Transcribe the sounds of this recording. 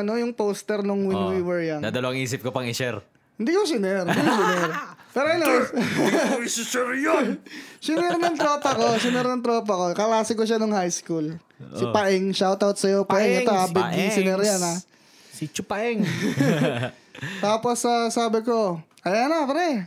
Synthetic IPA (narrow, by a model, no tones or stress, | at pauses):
ɐno̞jʊŋpowst̪ɛɾnoŋwɪnwiwɛɹjaŋd̪a̰ːd̪ɐloɐŋiːsɪp̚kopɐŋɪsɛɾ | hɪnd̪iːkos̬ɪnɛɾnd̪ikosɪnɛɾpɛːɾoɐno | sɪsɛɾjosɪnɛɾnɐŋt̪ɾoːpɐkosɪnɛɾnɐŋt̪ɾoːp̬ɐko̞kɐlaːsɪkoʃanoŋhajskul | sɪpɐʔɛŋʃawt̪awt̪̚sɐjopɐʔɛŋɐŋoabɪd̪ʊŋsɪnɛɾjana | sit͡ʃʊpɐʔɛŋ | t̪aːposɐsaːbɪko̞ʔɐjanɐpɛɾɛ